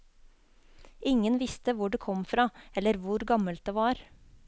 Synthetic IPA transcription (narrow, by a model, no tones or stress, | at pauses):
ɪŋənʋɪst̪əʋʊɖeːkʰɔmfɾɑːɛlːəɾʋʊɾɡɑməlt̪̚d̪eːʋɑːɾ